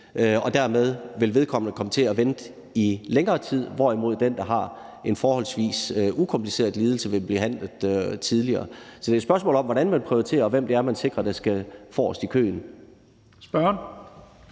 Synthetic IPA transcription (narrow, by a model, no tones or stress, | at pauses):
ʔɒ̽d̥æɐ̰með̞ˠʋe̝lʋe̝ð̞ˠkʰɒ̽m̰nəkʰɒ̽mət͡sʰe̝æʋend̥ | ileŋɐːt͡sʰið̰ˠʋɒimo̝ð̰ˠd̥end̥ɑ̈ɦɑ̈ | e̝nfɒːhɒ̽l̰sʋḭːsʔukʰɒ̽mplise̝̰ːɐðˠliːð̞ˠl̩səʋe̝b̥liɦæn̰ləð̩ˠøt͡sʰiðˠliɐːsɒ̽d̥e̝æsb̥ɶɐs̬mɔ̰ːlɒ̽mʋɒɾænmænpʰʁiot͡sʰe̝̰ːɐʋem̰d̥e̝æɐmænse̝ɡ̥ʁɐd̥æsɡ̥æfɒ̰ːsd̥ikʰø̰ːn | sb̥ɶɐn